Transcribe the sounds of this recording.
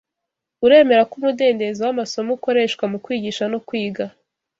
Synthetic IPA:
uɾe̞ːme̞ɾakumude̞ːnde̞zewamaso̞muko̞ɾe̞ːʃkwamukwiːɟiʃanokwiːɡa

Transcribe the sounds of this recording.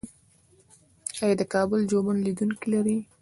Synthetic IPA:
ɑjɑd̪əkɑbʊld͡ʒomənlid̪unkilaɾi

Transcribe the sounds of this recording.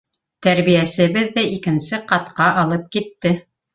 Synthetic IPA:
t̪æɾβijæsɘ̆βɘðːæʔikɘ̆nsɘqɑt̪̚qɑʔɑlˠɤp̚kit̪ːɘ

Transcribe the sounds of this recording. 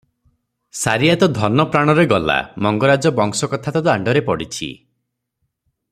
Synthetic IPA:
saɾiat̪ɔd̪ʱɔnɔpɾaɽ̃ɔɾeɡɔla̰mɔŋɡɔɾad͡ʒɔbɔŋsɔkɔt̪ʰat̪ɔd̪ɔaɳɖɔɾepɔɽit͡ʃʰḭ

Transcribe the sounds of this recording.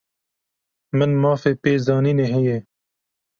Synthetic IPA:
mɪnmaːfeːpeːzɑːnineɦejeː

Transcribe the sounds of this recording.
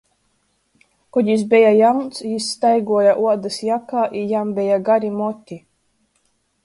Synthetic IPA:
kɔɟ̪ʲis̬bʲejajawnt̪sjisːt̪ajɡuɔjaʔuɔd̪asjakaːʔijambʲejaɡaɾʲimɔt̪ʲːi

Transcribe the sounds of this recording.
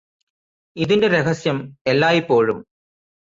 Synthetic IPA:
iðinde̞ɾe̞ɣɐsjɐmelːaːjipːo̞ːɻum

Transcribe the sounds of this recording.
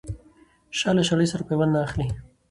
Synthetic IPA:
ʃɑlaʃaɽəjsaɾapewannaːxli

